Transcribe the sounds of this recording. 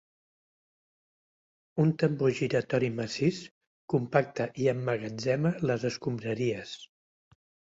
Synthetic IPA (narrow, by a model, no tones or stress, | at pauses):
unt̪əmboʒiɾət̪ɔɾiməsis | kumpak̚t̪əʔiəmːəɣənzɛmələzəskumbɾəɾiəs